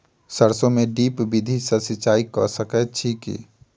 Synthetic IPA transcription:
səɾsõmeɖiːpbid̪ʱisəsɪt͡ʃaːikɔsəkɛʈʰikḭː

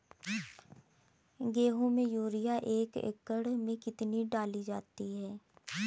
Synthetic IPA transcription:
ɡeːɦõmẽjuːɾijaʔeːkḛkəɽmẽkɪt̪niɖaːlid͡ʒaːt̪iɦɛː

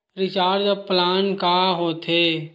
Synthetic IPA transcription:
ɾɪt͡ʃaːɾd͡ʒəb̚plaːnkaɦoːt̪ʰeː

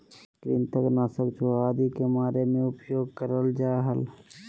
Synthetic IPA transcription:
kɾint̪ʰəknaːsəkt͡ʃʰoaːd̪ikemaːɾemẽʊpjoːɡkəɾəld͡ʒaːɦəl

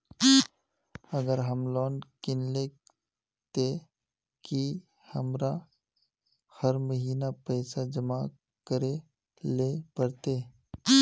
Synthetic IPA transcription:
ɐɡəɾɦəmlɔːnkɪnle | t̪e | ki | hɐmɾa | hɐɾməɦiːnapɛɪsad͡ʒəma | kəɾe | lepəɾt̪eː

